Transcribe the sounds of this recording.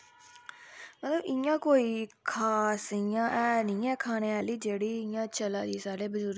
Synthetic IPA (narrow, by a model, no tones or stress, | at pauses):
mət̪ləbɪjãːkoːiːkʰaːsɪjãːʔɛːnĩːɛːkʰaːneːaːliːd͡ʒeːɽiːɪjãːt͡ʃəlaːd͡ʒiːsaːɽeːbəzʊɾ